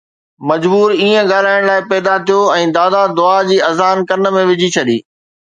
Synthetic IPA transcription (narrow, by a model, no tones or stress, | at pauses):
mɐd͡ʑbuːɾiːə̃ɡaːl̤aːɪɽ̃laːɪpɛːd̪at̪ʰijoɛ̃ːd̪aːd̪ad̪ʊad͡ʑiːɐzaːnkɐɾənə̆mẽʋɪd͡ʑʱit͡ɕʰɐɗḭː